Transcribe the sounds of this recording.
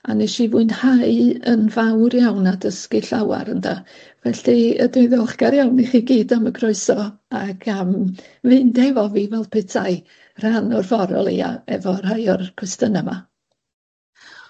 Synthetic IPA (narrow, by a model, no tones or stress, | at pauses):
a̰nɛʃivuɨnhaɨənvawrjawnadəskiɬawa̰ɾənda | vɛɬiə̰dʊðɔlˠχɡ̥aɾjawniχiːɡiːdaməɡʰroɨsɔaɡam | vɨndɛvɔvivɛlˠpʰɛtʰaɨ | r̥anɔrfɔɾɔ̰lˠḭa̰ɛvɔrhajɔrkʰrɛstənama